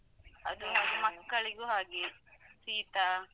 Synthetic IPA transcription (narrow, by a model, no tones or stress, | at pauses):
ɐ̰d̪unuɾumɐkːɐɭiɡuɦaːɡesiːt̪a